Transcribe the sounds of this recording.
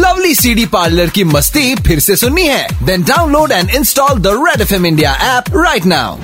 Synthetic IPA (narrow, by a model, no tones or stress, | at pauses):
lɐʋlisiːɖipaːɾləɾkimɐst̪ipʰɪɾsesʊnːiɦɛːd̪ɛ̃nɖaːʊ̃nloːɖɛ̃ɳɖɪ̃nsʈɔːld̪əɾɛɖɛfɛ̃mɪ̃ɳɖija̰ʔɛːpɾaɪʈna̰ːʊ